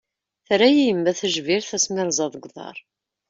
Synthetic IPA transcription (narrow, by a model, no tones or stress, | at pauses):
θɾæjijmːæθəʒviɾθæsmɪɾˤzˤɑðˤɡðˤɑ̰ɾˤ